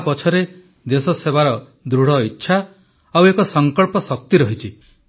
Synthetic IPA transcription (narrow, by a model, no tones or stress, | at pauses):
pɔt͡ʃʰɔɾe | d̪esɔsebaɾɔ | d̪ɾuɽ̤ɔitːʃʰa | awekɔsɔŋkɔɭpɔsɔk̚t̪iɾɔɦit͡ʃʰi